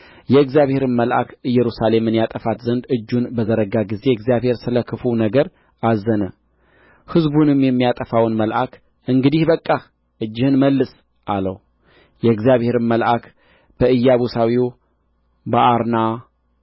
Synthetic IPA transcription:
jɛɨɡzijaβhe̞ɾɨnməlʔa̰kɨjːɛɾusale̞mɨnjat̪ʼəfat̪zənd̪ɨd͡ʒːunbəzəɾəɡaɡize̞ɨɡzijaβhe̞ɾsɨləkʰɨfunəɡəɾ | azːənə | hɨzbunɨmjɛmːijat̪ʼəfawnməlʔak | ɨŋɡɨd̪ihbəkʼːa | ʔɨd͡ʒːɪhɨnməlːɨs | ʔalə̰w | jɛɨɡzjaβhe̞ɾɨnməlʔak | b̥əɨjːaβusawiw | bəʔaɾna

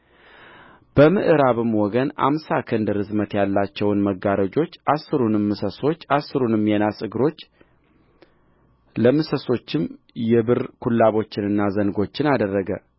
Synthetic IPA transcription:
b̥əmɨʔɨɾaβɨmwɔɡəna̰msakʰɨnd̪ɨɾɨzmət̪jalːat͡ʃːɛwnməɡːaɾəd͡ʒo̞t͡ʃːʔasːɨɾunɨmːɨsəso̞t͡ʃːasːɨɾunɨmjɛnasʼɨɡɨɾo̞t͡ʃː | ləmɨsəso̞t͡ʃːɪm | jɛβɨɾkʰulːaβo̞t͡ʃːɪnɨnːazənɡo̞t͡ʃːɪnad̪ərːəɡə

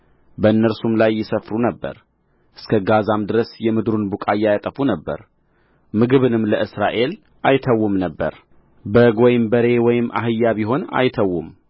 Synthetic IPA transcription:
bəɨnːəɾsumlajːɪsəfɾunəbːə̰ɾ | ʔɨskʰəɡazamd̪ɨɾəsjɛmɨd̪ɾunbukʼajːajat̪ʼəfunəbːə̰ɾ | mɨɡɨβɨnɨmləʔɨsɾaʔe̞l | ʔajt̪ʰəwːumnəbːə̰ɾ | bəɡo̞jɪmbəɾe̞wɔjɪmːʔa̰ɦɨjːaβiɦo̞na̰jt̪ʰəwːum

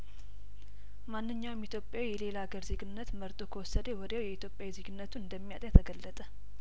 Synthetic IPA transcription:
manːɨɲːawmit̪ʰjopʼjawijɛle̞laɡəɾzeɡɨnːət̪məɾt̪ʼo̞kʰəwɔsːəd̪əwɔd̪jawjɛit̪jo̞pʼjawizeɡɨnːət̪ʰuɨnd̪əmːija̰t̪ʼjat̪ʰəɡəlːət̪ʼə

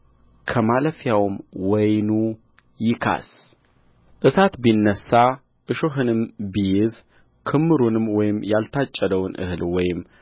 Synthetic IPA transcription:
kʰəmaləfjawmwɔjnu | jɪkʰa̰s | ʔɨsat̪binːəsːa | ʔɨʃoɦɨnɨmbijɛz | kʰɨmːɨɾunɨmwɔjɪmjalt̪ʰat͡ʃʼːəd̪əwnʔɨ̰hɨlwɔjɪm

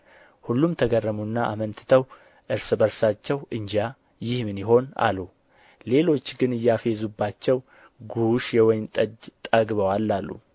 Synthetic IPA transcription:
hulːumt̪ʰəɡərːəmunːaʔa̰mənt̪ʰɨ̥t̪ʰəw | ʔɨɾsɨbəɾsat͡ʃːɛwɨɲd͡ʒa | jɪhmɨnjɪɦo̞na̰lu | le̞lo̞t͡ʃːɡɨnɨjːafe̞zubːat͡ʃːɛw | ɡuʃjɛwɔjmt̪ʼəd͡ʒt̪ʼəɡβəwalːalːṵ

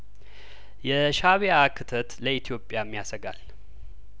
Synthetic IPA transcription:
jɛʃaβeakʰɨt̪ʰət̪ləit̪ʰijo̞pʼːjamːijasəɡal

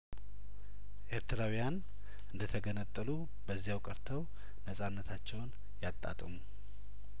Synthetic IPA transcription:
ʔe̞ɾt̪ʰəɾawjan | ʔɨnd̪ət̪ʰəɡənət̪ʼːəlu | bəzːijawkʼəɾt̪ʰəw | nəsʼanːət̪ʰat͡ʃːɛwn | jat̪ʼːa̰t̪ʼəmu

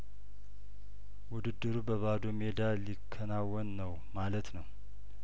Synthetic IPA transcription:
wʊd̪ɨd̪ːɨɾubəβad̪omed̪alikʰːənawːənːəw | malət̪nəw

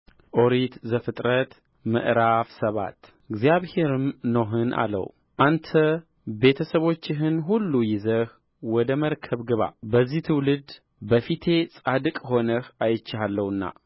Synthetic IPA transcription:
ʔo̞ɾit̪zəfɨt̪ʼɾət̪ | mɨ̰ʔɾafsəβa̰t̪ | ɨɡzjaβhe̞ɾɨmnoɦɨnʔa̰lə̰w | ʔant̪ʰə | be̞t̪ʰəsəβo̞t͡ʃːɪɦɨnɦulːujɪzəh | wɔd̪əməɾkʰəβɡɨβa̰bəzːiht̪ʰɨwlɨd̪ | bəfit̪ʰe̞sʼad̪ɨkʼho̞nəhajɪt͡ʃːɪalːəwɨnːa̰

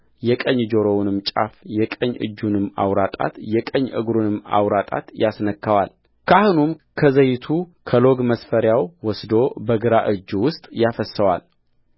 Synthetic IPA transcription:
jɛkʼəɲːd͡ʒoɾo̞wnɨmt͡ʃʼa̰fjɛkʼəɲʔɨ̰d͡ʒːunɨmːa̰wɾat̪ʼa̰t̪jɛkʼəɲːʔɨɡɾunɨmːa̰wɾat̪ʼa̰t̪jasnəkʰːəwal | kʰahɨnumkʰəzəjɪt̪ʰukʰəloɡməsfəɾjawwɔsd̪o̞bəɡɨɾaʔɨd͡ʒːwʊst̪ʼjafəsːəwa̰l

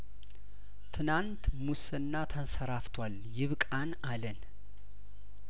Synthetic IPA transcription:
t̪ʰɨnant̪musɨnːat̪ʰənsəɾaft̪ʰwal | jɪβkʼanalən

